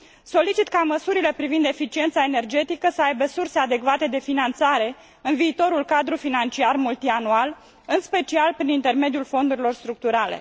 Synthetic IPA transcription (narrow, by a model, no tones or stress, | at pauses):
so̞lit͡ʃit̪kaməsuɾile̞pɾivind̪e̞fit͡ʃie̞nt̪saene̞rd͡ʒe̞t̪ikəsəajbesurse̞ad̪e̞kvat̪e̞d̪e̞finant̪saɾe̞ | ɨnviːt̪o̞ɾulkad̪ɾufinant͡ʃiarmult̪ianual | ɨnspe̞t͡ʃialpɾinint̪e̞rme̞d̪iulfo̞nd̪uɾilo̞rst̪ɾuk̚t̪uɾalḛ